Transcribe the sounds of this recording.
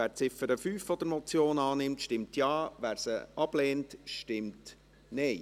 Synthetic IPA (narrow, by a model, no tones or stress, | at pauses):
æːɾt͡sɪfəɾəfyːfːɔd̪əɾmɔt͡sjoːnɑːnɪmtʃtɪmtʰjɑːʋæːɾsəɑb̥leːntʃtɪmt | nɛɪ